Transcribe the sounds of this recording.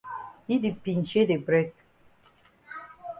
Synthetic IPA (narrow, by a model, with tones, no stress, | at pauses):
i˦di˨pi˨nt͡ʃe˦de˨bɾɛ˦d